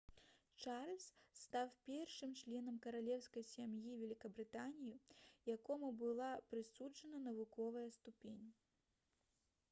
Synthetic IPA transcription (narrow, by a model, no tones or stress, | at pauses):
t͡ʂarlʲst̪awpʲɛrʂɨmt͡ʂlʲɛn̪ɐmkɐɾalʲɛwskɐjsʲamjivʲɛlʲikɐbɾɨt̪anʲijijakɔmubɨlˠapɾɨsud͡ʐɐnɐnɐvukɔvɐjɐst̪upʲenʲ